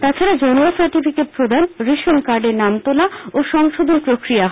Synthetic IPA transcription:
t̪at͡ɕʰaɾad͡ʑɔnosaɾʈifʰikeʈ̚pɾod̪ʱanɾiʃonkaɾɖeɾnamt̪olaoʃɔŋʃod̪ʱonpɾokɾijaɦ

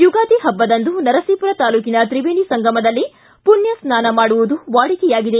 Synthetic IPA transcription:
juɡaːd̪iɦɐbːɐd̪ɐnd̪unɐɾɐsiːpuɾɐt̪aːluːkinɐt̪ɾibeːnisɐŋɡɐmɐd̪ɐlːi | punjɐsnaːnɐmaːɽuʋud̪uʋaːɽikɛjaːɡid̪e

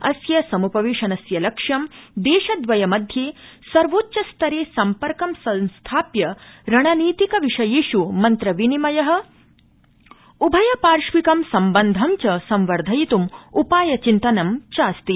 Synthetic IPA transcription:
ɐsjɐsɐmupɐʋiːʂɐnɐsjɐlɐkʂɐmd̪eːʃɐd̪ʋɐjɐmɐd̪ʱjeːsɐɾʋoːtːʃɐst̪ʰɐɾeːsɐmpɐɾkɐmsɐnst̪ʰaːpjɐɾɐɳɐniːt̪ikɐʋiʂɐjiːʃumɐnt̪ɾɐʋinimɐjɐɦɐ̆ | ubʱɐjɐpaːɾʃʋikɐmsɐmbɐnd̪ʱɐmt͡ʃɐsɐmʋɐɾd̪ʱɐjit̪umupaːjɐt͡ʃint̪ɐnɐmt͡ʃaːst̪i

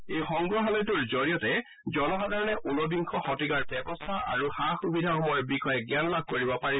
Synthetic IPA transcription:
ejxɔŋɡɹɔɦalɔjtuɹzoɹijɔtɛ | zɔnɔxadaɹɔnɛʔunɔbiŋkʰɔxɔtiɡaɹtɛbɔstʰaʔa̰ɹuxaxubidʱaxɔmɔɹbikɔjɛɡjanɔlab̚ʱkoɹibɔpaɹi

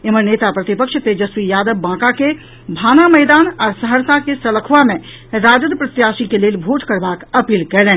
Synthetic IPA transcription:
eməneːt̪apɾɐt̪ɪpəkʃt̪ed͡ʒɐswijaːd̪əbːãːkake | bʱaːnamɛːd̪aːnɔːɾsəɦəɾt̪akesɐləkʰʋamẽ | ɾaːd͡ʒəd̪pɾət̪jaːʃikeleːlbʱoːʈkəɾbaːkɐpiːlkɛlẽː

